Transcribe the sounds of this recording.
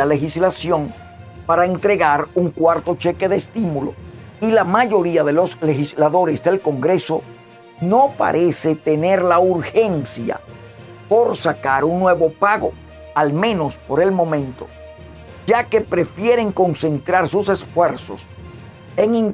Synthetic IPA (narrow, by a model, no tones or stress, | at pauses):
ale̞xislasjo̞ŋ | paɾaent̪ɾe̞ɣaɾuŋkwaɾt̪o̞t͡ʃeke̞ðeːst̪imulo̰ | ilamaʝo̞ɾiaðe̞lo̞sle̞xislaðo̞ɾe̞sðe̞lko̞ŋɡɾe̞so̞ | no̞pa̰ɾʔese̞t̪e̞ne̞ɾlauɾxe̞nsja̰ | po̞ɾsakaɾuŋnwe̞βo̞paɣo̞̰ | almẽ̞no̞spo̞ɾe̞lmõ̞mẽ̞nt̪o̞̥ | d͡ʒake̞pɾe̞fje̞ɾe̞ŋko̞nse̞nt̪ɾaɾsuse̞sfwe̞ɾso̞̰s | e̞ŋiŋ